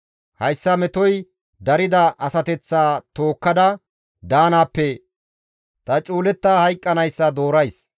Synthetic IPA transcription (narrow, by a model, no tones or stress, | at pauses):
hɐjsːɐmɛt̪ɔj | d̪ɐɾɪd̪ɐʔɐsɐt̪ɛt͡sːaːt̪o̞ːkːɐd̪ɐ | d̪aːnaːpːɛ | t̪ɐt͡ʃʼuːlɛt̪ːaːhɐjkʼːɐnɐjsːɐd̪o̞ːɾɐjs